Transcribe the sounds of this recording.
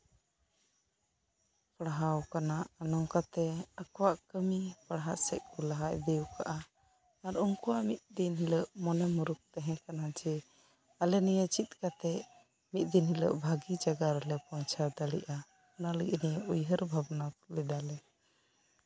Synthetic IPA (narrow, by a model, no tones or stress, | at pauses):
pəɽɦawkanaʔanɔŋkat̪ɛakɔwaʔkəmipəɽɦaʔsɛ̰ʔ̚kɔlaɦaʔd̪ɛwka̰ʔa | aɾumkuwaʔmit̪̚d̪inɦiləʔmɔnɛmuɾuk̚t̪ɛɦɛ̃kanad͡ʒɛ | alɛnijət͡ʃit̪̚kat̪ɛ | mit̪̚ˀd̪inɦilə̰ʔbʱaɡid͡ʒaɡaɾɛlɛpɔnt͡ʃʰaɾd̪aɽiʔa | naləɡnijəʔujɦəɾbʱabnat̪lɛd̪alɛ